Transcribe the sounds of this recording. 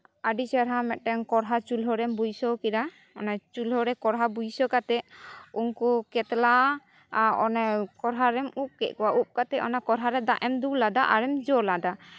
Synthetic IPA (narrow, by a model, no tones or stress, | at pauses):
aɖisɛɾɦamɛt̪̚ʈɛŋkɔɾɦat͡ʃulɦɔɾɛmbujsɔkiɾa | ɔnat͡ʃulɦɔɾɛkɔɾɦabujsɔkat̪ɛunkukɛt̪la | ɔnɛkɔɾɦaɾɛmup̚kɛ̰ʔ̚kɔwaʔup̚kat̪ɛɔnakɔɾɦaɾɛd̪aʔɛmd̪ulad̪aʔaɾɛmd͡ʒɔlad̪a